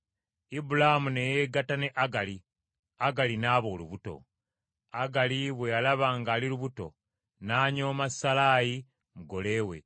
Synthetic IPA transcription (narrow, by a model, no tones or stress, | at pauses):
ibulaamune̞jeɡatane̞ʔaɡali | aɡalinaːβo̞ːluβuto̞̰ | aɡaliβwe̞jalaβaːŋɡaːliluβuto̞̰ | naːɲo̞ːmasalaːji | muɡo̞le̞ːwe̞̰